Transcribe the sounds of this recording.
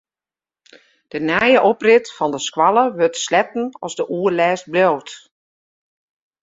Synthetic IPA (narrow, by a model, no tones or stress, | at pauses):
d̥ənɛjəʔoprɪtfɔndəskwalˠəʋøtslɛtn̩ɔzdəʔuːərlɛːst̚blowt